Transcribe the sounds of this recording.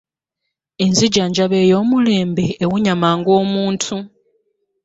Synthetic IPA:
enziɟaɲd͡ʒaβe̞jo̞ːmule̞ːmbeːwuɲamaːŋɡo̞ːmuːntʰu

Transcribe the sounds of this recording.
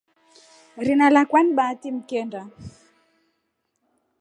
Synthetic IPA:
ɾinalakwaniɓaːtim̩kɛnda

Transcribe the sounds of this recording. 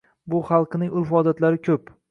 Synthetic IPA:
bʊχɑlˠqʰɨnɪŋʔʊlfɒd̪at̪laɾɪkʲʰɵp

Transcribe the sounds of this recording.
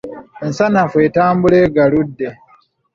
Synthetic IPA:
ensanafwe̞ːtaːmbuleːɡaludːe̞

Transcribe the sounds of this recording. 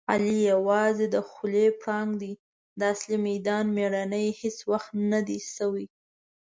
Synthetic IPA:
alijawɑzed̪əxulepɽɑŋɡd̪i | d̪əaslimajd̪ɑnmeɽanəjheswaxt̪nad̪isawi

